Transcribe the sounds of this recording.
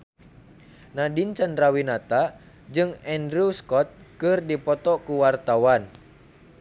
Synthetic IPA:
nadint͡ʃandɾawinat̪a | d͡ʒɨŋɛndɾuskɔt̪̚kɨrdipɔt̪ɔkuwart̪awan

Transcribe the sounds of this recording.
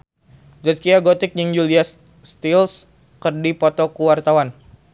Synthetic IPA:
zaskiaɡot̪ɪk̚ɲəŋjulias | st̪ils | kərdipɔt̪ɔkuwart̪awan

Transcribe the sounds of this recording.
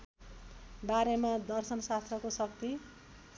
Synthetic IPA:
baɾemad̪ʌrsʌnsast̪rʌkosʌk̚t̪i

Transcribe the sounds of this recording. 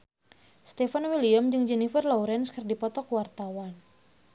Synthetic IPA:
st̪ɛfanwiliamd͡ʒɨŋd͡ʒɛnifərlɔuɾɛnskərdipɔt̪ɔkwart̪awan

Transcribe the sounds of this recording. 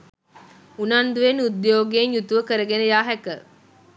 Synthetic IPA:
unand̪uʋenud̪joːɡenjut̪uʋəkəɾəɡenəjaːɦɛkə

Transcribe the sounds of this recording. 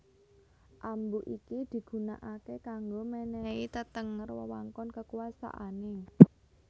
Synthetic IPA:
ʔambuʔikid̪̥i̤ɡ̥ṳnaʔakekaŋɡomɛnɛit̪ət̪əŋərwə̰wa̰ŋkɔnkəkuasa̰ʔanɪ

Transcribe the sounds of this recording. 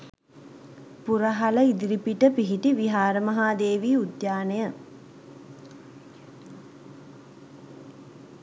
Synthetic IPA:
puɾəɦaləid̪iɾipiʈəpiɦiʈiʋiɦaːɾəmɐɦaːd̪eːʋiːud̪jaːnejə

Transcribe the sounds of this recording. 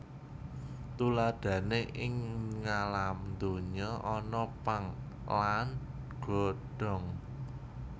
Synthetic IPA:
t̪ulad̪̥ä̤neʔɪŋŋalamnd̪oɲɔʔɔnɔpaŋ | laan | ɡ̥ɔ̤ɖ̥ɔ̤ŋ

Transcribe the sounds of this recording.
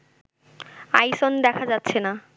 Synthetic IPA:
ajsond̪ɛkʰad͡ʑat̪ːɕʰena

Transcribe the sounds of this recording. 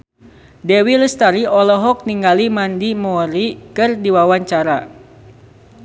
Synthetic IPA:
dewiləst̪aɾiɔlɔɦɔk̚niŋɡalimandimɔɾikɨrdiwawaɲt͡ʃaɾa

